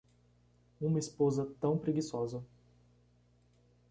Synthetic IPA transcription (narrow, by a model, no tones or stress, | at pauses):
ũmɐispozɐt̪ɐ̃w̃pɾeɡisɔzɐ